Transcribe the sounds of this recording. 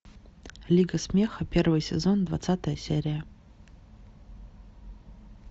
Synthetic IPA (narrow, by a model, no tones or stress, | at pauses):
lʲiɡɐsmʲe̞xɐpʲe̞rvɨjsʲezo̞nd̪va̰t̪sat̪əjəsʲḛɾʲijə